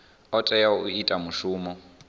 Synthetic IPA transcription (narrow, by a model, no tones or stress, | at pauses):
ɔtʼɛjauitʼamuʃuːmɔ